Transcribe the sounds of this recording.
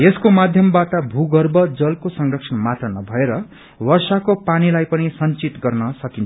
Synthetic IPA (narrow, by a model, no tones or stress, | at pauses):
eskomad̪ʱjʌmbaʈʌbʱuɡʌrbʌd͡zʌlkosʌŋrʌksʰʌnmat̪rʌnʌbʱʌeɾʌ | wʌrsakopanilajpʌnisʌnt͡sit̪ɡʌrnʌsʌkint͡sʰ